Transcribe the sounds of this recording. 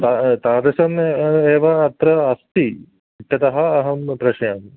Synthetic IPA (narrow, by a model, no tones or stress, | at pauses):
t̪at̪aːd̪ɐsɐmeːʋɐːt̪ɾɐɐst̪i | iʈʰːɐt̪ɐɦɐːɦɐmpɾɐʂɐjɐm